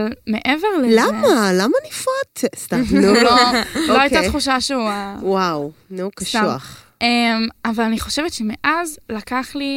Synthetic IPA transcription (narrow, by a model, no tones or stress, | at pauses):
lme̞ʔeveʁlelamalamanifot̪st̪amnuloloajtat̪χuʃaʃeuawawnukɐsʃaua̰χ | ʔemavalaniχo̞ʃe̞vetʃemeʔazlakaχli